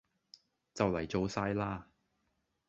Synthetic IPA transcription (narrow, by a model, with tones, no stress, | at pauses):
t͡sɐ˨wlɐ˨˩jt͡so˨˧wsaː˧jlaː˥